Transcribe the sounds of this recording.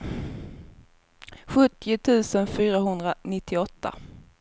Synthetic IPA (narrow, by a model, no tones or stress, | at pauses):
ɧɵt̪ːɪʊt̪ʰʉ̟ːsənfyːɾaɦɵnd̪ɾanɪt̪ʰːɪɔt̪ʰːa̰